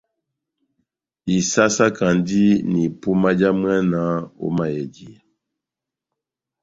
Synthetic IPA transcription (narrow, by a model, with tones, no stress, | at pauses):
i˨sa˦sa˦ka˨ndi˦ni˨pu˦ma˦d͡ʒa˦mwɛ˦na˨o̰˦ma˨jɛ˨di˨